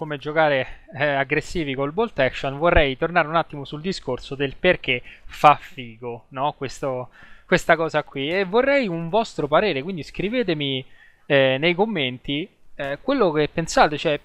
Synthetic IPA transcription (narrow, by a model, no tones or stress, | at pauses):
komed͡ʒokaːɾeaɡɾesːiːvikolbolt̪ɛkʃonvorːɛjt̪ornaːɾeunat̪ːimosuld̪iskorsod̪elperk̟efafːiːɡonɔkwest̪okwest̪akɔːzakːwievːorːɛjuɱvɔst̪ɾopaɾeːɾekwind̪iskɾiveːt̪̬emi | ɛnejkomːent̪i | kwelːokepːensaːt̪et͡ʃɛ